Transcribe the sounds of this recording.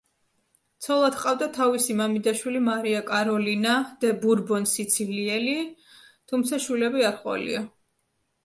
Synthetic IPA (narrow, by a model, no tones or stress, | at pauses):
t̪sʰɔlˠad̪qʼavd̪at̪ʰavisimamid̪aʃwilimaɾiakʼaɾɔlinad̪ɛbuɾbɔnsit̪sʰiliɛli | t̪ʰumt̪sʰaʃwilɛbiaɾχʼwa̰lḭa